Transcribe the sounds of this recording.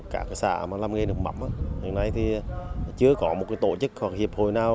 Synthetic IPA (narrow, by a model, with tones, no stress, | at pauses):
kaː˧˩ka˨˦sa̰ː˧˩˨maː˨˩laː˧mɣe˧ɗɨ˨˩ək̚ma̰˧˩˦mʔaː˧˩hḭ˨nːa˧jt̪ʰi˨˩t͡ɕɨ˧əkɔ˨˦mo˨˩t̚ka˨˦t̪o̰˧˨t͡ɕɨ˦˥k̚hwa˨˩k̚hi˨˩əp̚ho˨˩jnaː˧w